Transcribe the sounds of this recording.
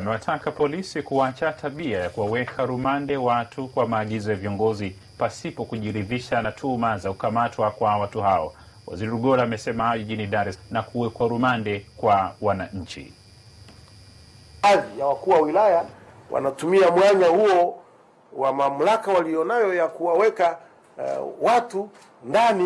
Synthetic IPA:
amɛwatʰakapɔlisikuat͡ʃatʰaɓiajakuwawɛkʰaɾumandɛwatʰukwamaːɠizɔjaviɔŋɡɔzi | pasipɔkuʄiɾiðiʃanatʰumazakukamatʰwakwawatuɦaɔ | wa̰ziɾɛɾuɠɔlaːmɛsɛmahaʄiʄiniɗaɾɛsnakuwɛkwaɾumandɛkwawanaɲ̩t͡ʃḭ | aðijawakuːwawilaja | wʔa̰natumiamwaɲahuɔ | wamam̩lakawalijɔnajɔjakuwawɛka | watu | ndani

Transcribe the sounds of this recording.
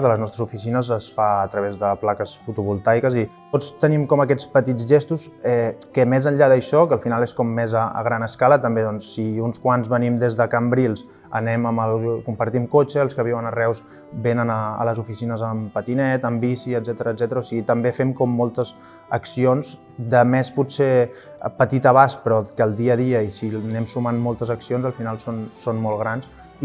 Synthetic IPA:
ðələznɔst̪ɾəzufisinəzəsfaət̪ɾəβezðəplakəsfut̪uβulˠt̪ajkəzit̪ot͡st̪ənimkɔməkɛt͡spət̪id͡zʒest̪usɛkəmezəʎʎaðəʃɔkəlˠfinaleskɔmːezəə̰ɣ̞ɾanəskalət̪əmbeðɔnsːiunskwanzβənimd̪ezðəkəmbɾilˠs | ə̰nɛməməlˠkumpəɾt̪imkot͡ʃəːlˠskəβ̞iwənərɛws | benənəə̰ləzufisinəzəmpət̪inɛt̪əmbisiəd̪zɛt̪əɾəzɛt̪əɾəosiɣit̪əmbefɛmkɔmːɔlˠt̪əz | əksionz | d̪əmesput̪se | pət̪it̪əβaspɾɔkəːlˠd̪iəðiəisinɛmsumanmɔlˠt̪əzəksionzəlˠfinalˠsonsonmolˠɣɾans

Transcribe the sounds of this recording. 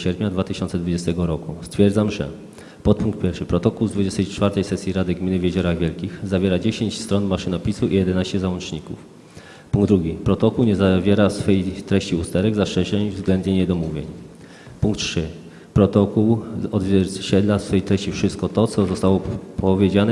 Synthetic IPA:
ɕɛɾpʲɲad̪vat̪ɘɕɔnt̪sɛd̪vud͡ʑɛst̪ɛɡɔɾɔkust̪fʲjɛɾd̪zamʐɛ̰ | pɔt̪̚puŋk̚t̪pʲɛɾfʂɘpɾɔt̪ɔkuwzd̪vud͡ʑɛst̪ɛjt͡ʂfaɾt̪ɛjsɛsʲjiɾad̪ɘɡmʲinɘvʲjed͡ʑɔɾaɣvʲjɛlkʲixzavʲjɛɾad͡ʑeɕeɲt͡ɕst̪ɾɔnmaʂɘnɔpʲisuijɛd̪ɛnaɕt͡ɕɛzawɔnt͡ʂɲikṵf | puŋɡd̪ːɾuɡʲipɾɔt̪ɔkuwɲɛzavʲjɛɾasfɛjt̪ɾɛɕt͡ɕiust̪ɛɾɛɡzaʂɛɕɛɲvzɡlɛnd̪ɲeɲɛd̪ɔmuvʲjḛɲ | puŋkt̪ʂɘ | pɾɔt̪ɔkuwɔd̪vʲjɛɾt͡ɕɛd̪lasfɛjt̪ɾɛɕt͡ɕifʂɘst̪̚kɔt̪ɔt̪sɔzɔst̪awɔpɔvʲjed͡ʑanɛ

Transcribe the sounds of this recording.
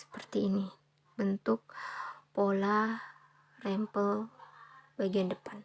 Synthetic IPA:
sə̥pərt̪iːni | bənt̪ʊk̚pola | rɛmpəl | baɡiandəpan

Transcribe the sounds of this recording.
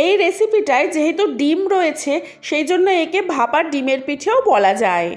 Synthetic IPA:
ejɾesipiʈaed͡ʑeɦet̪uɖimɾoet͡ɕʰe | ʃejd͡ʑonːoekebʱapaɾɖimeɾpiʈʰeobɔlad͡ʑae

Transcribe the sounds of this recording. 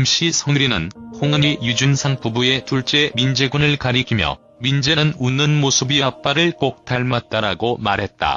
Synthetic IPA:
mɕ͈isʰʌŋɾinɯnhoŋɯɲijud͡ʑunsʰaŋp͈ubue̞tuɭt͡ɕ͈e̞mind͡ʑe̞ɡunɯɭkaɾikʰimjʌ̰ | mind͡ʑenɯnunːɯnmosʰɯbiʌap͈aɾɯɭk͈ok̚t͈ʰaɭmat̚t͈aɾaɡomaɾɦe̞t̚t͈a̰

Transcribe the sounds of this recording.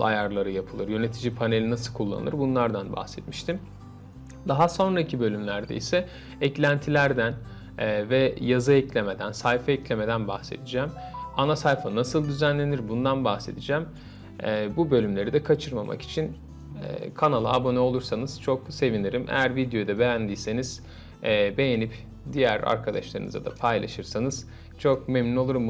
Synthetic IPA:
a̰jaɾlˠaɾɯjapʰɯlˠɯɾjø̞net̪ʰid͡ʒipʰane̞lʲinasɯlˠkʰulˠːa̰ɯ̰ɾbunlˠaɾd̪anba̰xsɛt̪miʃt̪ʰim | d̪aɦaso̞nɾacʰibø̞lʲymlʲæɾd̪ḛisɛ | ɛclʲænt̪ʰilʲæɾd̪ænː | vɛjazɯɛclʲe̞me̞d̪ænsajfaɛclʲe̞me̞d̪ænbaxse̞̰d̪id͡ʒæːmanasajfanasɯlˠd̪yzænlʲe̞niɾbund̪anbaxse̞d̪id͡ʒæːmː | bubø̞lʲymlʲe̞ɾid̪ɛkʰat͡ʃʰɯɾmamʔa̰ki̥t͡ʃʰin̰ | kʰanalˠaːbo̞nɛo̞lˠuɾsanɯz̥t͡ʃʰo̞kse̞viniɾimʔḛjæɾvid̪jo̞d̪abe̞jænd̪ijse̞niz̥ː | be̞jenip | d̪ijæɾa̰ɾkʰad̪aʃlˠaɾɯ̰nɯza̰d̪a̰pʰajlˠaʃɯɾsanɯz̥ | t͡ʃʰo̞kmeɛmnino̞lˠuɾum

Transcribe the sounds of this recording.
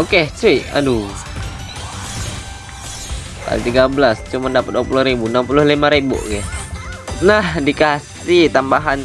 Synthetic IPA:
oket͡ʃuiʔa̰du | ka̰lit̪iɡabəlast͡ʃumandapat̪̚apulʊhɾibunampulʊhlimaɾibo̰ʔɡɛ | nahdikas | it̪ambaɦan

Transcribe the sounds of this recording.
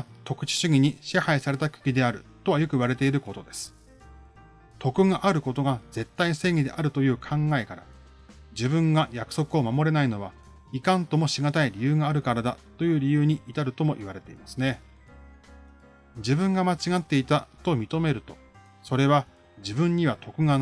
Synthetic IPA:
t̪o̞kɯ̟̥t͡ɕi̥ɕɨɡʲiɲ̟iɕehaisaɾe̞t̪akɯ̟̥kʲid̪e̞aɾɯ̟t̪o̞βajo̞kɯ̟iβ̞aɾe̞t̪e̞iɾɯ̟ko̞t̪o̞d̪e̞sɨ̥ | t̪o̞kɯ̟ŋaʔaɾɯ̟ko̞t̪o̞ɡad͡ze̞t̪ːaise̞ːŋʲid̪e̞̰ʔaɾɯ̟t̪o̞jɯ̟ːkʰãŋɡae̞kaɾa̰ | d͡ʑibɯ̟̃ŋɡajakɯ̥so̞kɯ̟o̞mamo̞ɾe̞naino̞β̞a | ikãnt̪o̞moɕiɡat̪aiɾʲijɯ̟ːŋaːɾɯ̟kaɾad̪a̰t̪o̞jɯ̟ːɾʲijɯ̟ːɲ̟iit̪aɾɯ̟t̪o̞mo̞ʔiβ̞aɾe̞t̪e̞imasɨne̞ | d͡ʑibɯ̟̃ŋɡamat͡ɕiɡat̪ːe̞it̪at̪o̞mʲit̪o̞me̞ɾɯ̟t̪o̞ | so̞ɾe̞β̞a | d͡ʑibɯ̟̃ɲ̟ɲːiβ̞at̪o̞kɯ̟ŋa

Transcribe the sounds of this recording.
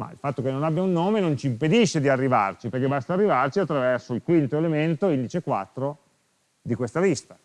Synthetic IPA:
ma̰ḭlfat̪ːokenːonabjaunːoːmenont͡ʃiːmped̪iʃːed̪iarːiva̰rt͡ʃipeɾrkebast̪aːrːivart͡ʃiat̪ːɾavɛrsoilkwint̪oelement̪oind̪it͡ʃekwa̰t̪ːɾo | d̪ikwest̪avist̪a

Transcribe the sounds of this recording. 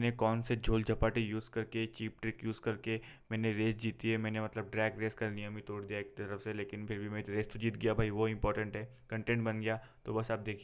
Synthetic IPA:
nekɔːnsed͡ʒʱoːld͡ʒʱɐpaːʈijuːzkɐɾket͡ʃiːpʈɾɪkjuːzkɐɾkemɛ̃ːneɾeːsd͡ʒiːt̪iɦɛmɛ̃ːnemɐt̪ləb̚ɖɾɛːɡɾeːskanijəmit̪oːɽd̪ijaekt̪ɐɾəfseleːkɪnpʰɪɾbʱimɛ̃ɾeːst̪od͡ʒiːt̪̚ɡɐjabʱaːiʋoɪ̃mpɔːɾʈə̃ɳʈɦɛː | kɐ̃ɳʈẽːɳʈbɐnɡɐjaː | t̪obɐsaːp̚d̪eːkʰ

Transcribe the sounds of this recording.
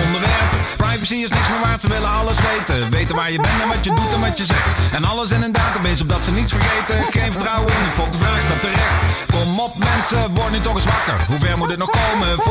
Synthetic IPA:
ɔndəɹʋɛɹppɹajvəsiɪsnɪksmɪːɹʋaːɹtsəʋɪlənɑləsʋejtəʋejtənʋaːɹjəbɛnɛnʋɑtjədutɛnʋɑtjəzɛxtɛnɑlˠəs̬ɛnɪnddaːtəbejs̬ɔb̚dɑtsənitsfəɹχejtəχejnvəɹtrʌwənəfɔlˠk̚dəvraːstɔp̚tərɛxtkɔmɔpmɛnsəʋɔɹdənytɔχɪsʋɑkə̰ɹɦuvɛɹmutət̚nɔχkowmə

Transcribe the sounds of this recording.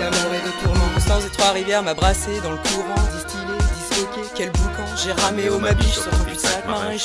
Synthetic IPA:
amaɛd̪et̪uʁnɔ̃sɑ̃zet̪χwaʁivɛʁmabʁased̪ɑ̃ləkʰuʁɑ̃d̪ist̪iled̪iskɔkʲekʲɛlbukɛ̃ʒeʁameomabiʃsyʁt̪ɔ̃pyt̪iakmaʁɛ̃

